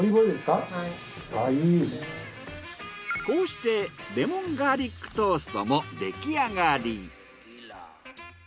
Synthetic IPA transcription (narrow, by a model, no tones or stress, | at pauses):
iboid̪eska | aine | koːɕi̥t̪e̞ɾe̞mõŋɡaɾʲikːɯ̟̥t̪oːsɨ̥t̪o̰mod̪e̞kʲiaɡaɾʲi